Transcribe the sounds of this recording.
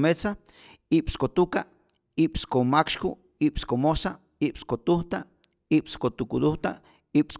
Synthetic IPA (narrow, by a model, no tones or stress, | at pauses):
met͡sa | ipskot̪uka | ipskomakʃku | ipskomosa | ipskot̪uht̪a | ipskot̪ukud̪uht̪a | ips